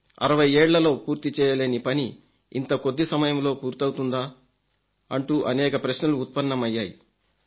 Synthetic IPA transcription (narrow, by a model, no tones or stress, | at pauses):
ɐ̰ɾɐʋɐjɛːɭːɐlo̞ːpuːɾt̪it͡ʃɛːjɐle̞ːnipɐniː | nt̪ɐko̞d̪ːisɐmɐjɐmlo̞ːpuːɾt̪ɐwut̪und̪aː | ɐɳʈuʔɐnɛːkɐpɾɐʃnɐluːt̪̚pɐnːɐmɐjːaːjḭ